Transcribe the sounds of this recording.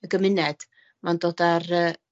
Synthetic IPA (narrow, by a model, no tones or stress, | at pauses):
əɡəmɪnɛd̥ | mandoːdarəː